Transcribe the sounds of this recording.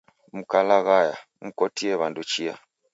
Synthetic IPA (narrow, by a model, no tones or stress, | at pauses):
mukalaɣaja | m̩kotieβandut͡ʃia̰